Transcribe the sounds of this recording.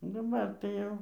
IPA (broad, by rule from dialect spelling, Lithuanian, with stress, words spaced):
dɐˈbɐr tɐɪ ˈjɛʊ